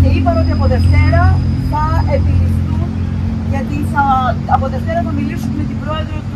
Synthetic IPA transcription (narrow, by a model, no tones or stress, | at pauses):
ceipɐɾo̞t̪iɐpo̞ðe̞ft̪e̞ɾɐθɐe̞pinist̪u | ʝɐt̪iθɐɐpo̞ðe̞ft̪e̞ɾɐθɐmilisummet̪ibɾo̞e̞ðɾot̪u